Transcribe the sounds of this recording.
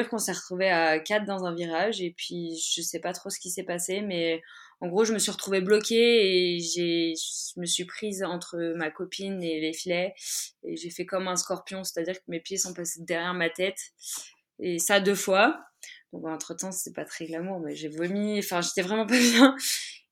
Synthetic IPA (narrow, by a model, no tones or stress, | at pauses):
iʁkɔ̃sɛʁət̪χuveakat̪̚d̪ɑ̃zɛ̃viʁaʒepɥiʒəsɛpat̪χosə̥kʲisɛpasemɛ | ɑ̃ɡʁoʒəməsɥiʁət̪χuveblɔkʲeːʒeʒəməsɥipχizɑ̃t̪χəmakɔpʰinelefilɛḛʒefɛkɔmɛ̃skɔʁpjɔ̃se̥t̪ad̪iʁkəmepjesɔ̃pased̪ɛʁjɛʁmat̪ɛt̪ | esad̪øfwad̪̥ɔ̃kɑ̃t̪χət̪ɑ̃sɛpat̪χɛɡlamuʁmɛʒevəmiɑ̃fɛ̃ʒet̪ɛvʁɛmɑ̃pabjɛ̃